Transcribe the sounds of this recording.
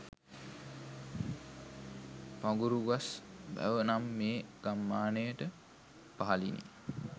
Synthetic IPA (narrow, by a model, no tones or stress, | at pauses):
paŋɡuɾuɡasbæ̰ʋənamːeːɡ̥amːaːnəjəʈə | paɦalḭnḭ